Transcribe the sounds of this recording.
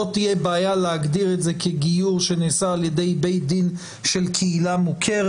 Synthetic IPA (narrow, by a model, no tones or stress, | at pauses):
ot̪ijebaːjaleaɡdiʁetzekʰeɡijuʁʃenesaːljede̞jbe̞jd̪in | ʃelkʰeilamukʰeʁ